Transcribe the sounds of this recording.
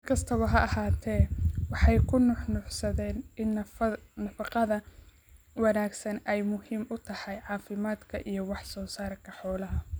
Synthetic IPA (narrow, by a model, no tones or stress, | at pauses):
mkʰɐst̪ʰɐβɐɦɐɐɦaːt̪ʰɛːwɑħɑjkʰʊnʊħnʊħsɐðɛːnɪnnɐfɑqɑðɐ | wɑnaːɡsɐnɛjmʊhiːmʔʊt̪ʰɐhɑjʕɑːfɪmaːd̪kʰɐʔijɞwɑħsɔːsaːrkʰɐħɔːlɐɦɐ